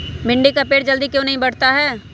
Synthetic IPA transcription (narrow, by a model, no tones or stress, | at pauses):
bɪ̃ɳɖikapeːʈd͡ʒɐld̪ikjõːnɐɦĩbɐɽ̤t̪aɦɛː